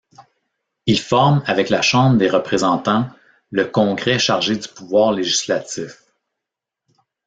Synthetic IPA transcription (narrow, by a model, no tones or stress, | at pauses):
ilfɔʁmavɛklaʃɑ̃ːbʁd̪eʁəpχezɑ̃t̪ɑ̃ | ləkɔ̃ɡʁɛʃaʁʒed̪ypuvwɑːʁleʒislatt͡sif